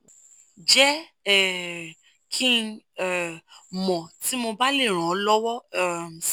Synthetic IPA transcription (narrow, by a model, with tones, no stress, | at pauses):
d͡ʒɛ˦ | ɛ˦˨ | kʰĩ˦ɛ˦˨mɔ̃˨ti˨˦mo˧ba˦le˦˨ɾ̃ã˨˦lɔ˦wɔ˦